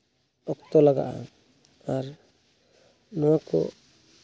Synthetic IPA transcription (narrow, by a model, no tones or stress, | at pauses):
ɔk̚t̪ɔlaɡa̰ʔa̰ | aɾ | nɔwakɔ̰